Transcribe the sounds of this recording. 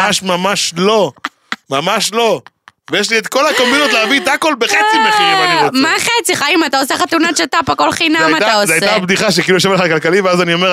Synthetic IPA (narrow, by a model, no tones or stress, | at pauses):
aʃmamaʃlo̞ | mamaʃlo̞ | vejeʃ̬liet̪ko̞lakombinot̪leavit̪akolbeχet͡simeχiiamaχet͡siχaimat̪aoseχat̪unat͡ʃat̪apako̞lχinajmat̪aoszajabd̪iχaʃekiːlujoʃevaleχakalkaliveazanio̞meʁ